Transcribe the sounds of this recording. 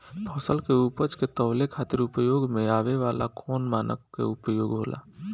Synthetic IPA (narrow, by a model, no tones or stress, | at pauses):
pʰɔsəlkeupət͡ʃket̪əːlekʰaːt̪ɪɾʊpəjoːɡmẽaːʋeʋaːlʔa̰kʰoːnmaːnə̰kkːḛʊpəjoːɡɦo̰ːlʔa̰ː